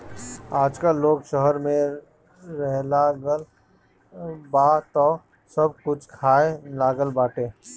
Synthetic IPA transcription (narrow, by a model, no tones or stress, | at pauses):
aːd͡ʒkaloːkʃəɦəɾmẽ | ɾɛɦlaɡəl | baːt̪ɔ | səb̚kʊt͡ʃʰkʰaːelaːɡəlbaːʈeː